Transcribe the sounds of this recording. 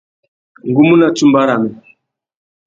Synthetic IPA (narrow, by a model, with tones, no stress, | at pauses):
ŋ˨ɡu˦mu˦na˨tu˦mba˦ɾa˨mɛ˨